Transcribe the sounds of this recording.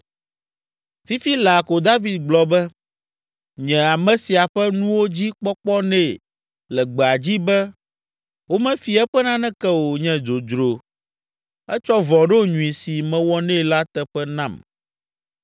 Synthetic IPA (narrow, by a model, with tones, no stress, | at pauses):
fi˦fi˦la˨ko˨d̪a˦vi˨d̪̚ɡ͡blɔ˨bɛ˦ | ɲɛ̃˨a˨mɛ̃˨si˨a˨ɸɛ˦nũ˦wo˦d͡ʑi˦k͡pɔ˦k͡pɔ˦nɛ̃˦˨ | lɛ˨ɡ͡bɛ˨a˨d͡ʑi˦bɛ˦ | wo˦mɛ̃˦fi˨ɛ˦ɸɛ˦nã˦nɛ̃˦kɛ˦wo˨ɲɛ̃˨d͡ʒo˨d͡ʒɾo˨ | ɛ˦t͡ʃɔ˦vɔ̃˨ɖɛ˦o˦ɲũ˨ĩ˨si˨mɛ̃˨wɔ˦nɛ̃˦˨la˦t̪ɛ˦ɸɛ˦nã˦˨m